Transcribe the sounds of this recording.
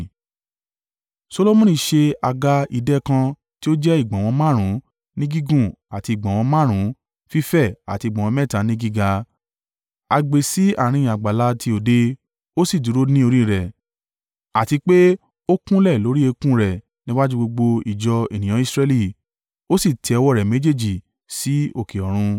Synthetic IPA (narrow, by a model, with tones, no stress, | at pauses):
so˧lo˧mũ˦nĩ˧˨ʃe˧a˧ɡa˧i˧dɛ˦kã˧ | ti˦o˦d͡ʒɛ˦i˦˨ɡ͡bã˨w̃ɔ̃˧mã˦˨ɾ̃ũ˨˦ | nĩ˦ɡi˦ɡũ˦˨a˨ti˧i˨ɡ͡bã˨w̃ɔ̃˧mã˦˨ɾ̃ũ˨˦ | fi˦fɛ˦˨a̰˨ti˧˨ɡ͡bã˨wɔ̃˧mɛ̃˦˨ta˨˦nĩ˦ɡi˦ɡa˧ | a˧ɡ͡be˨si˨˦a̰˦˨ɾ̃ĩ˧˦˨a˨ɡ͡ba˨la˧˦tʰi˧o˨de˧ | o˦si˦˨du˨˦ɾo˦nĩ˦o˧ɾ̃ĩ˦˨ɾɛ˨ | a˨ti˧k͡pe˦ | o˦kũ˦lɛ˦˨lo˨˦ɾi˦e˧kũ˦ɾɛ˨ | nĩ˦wa˦d͡ʒu˦ɡ͡bo˧ɡ͡bo˧i˨d͡ʒɔ˧ḛ˨nĩ˨ã˨˦i˦˧sɾɛ˧li˦˨ | o˦si˦˨tʰɛ˧ɔ˧wɔ˦˨ɾɛ˨me˦d͡ʒe˦˨d͡ʒi˨ | si˨˦o˦˨ke˨ɔ˨ɾ̃ũ˧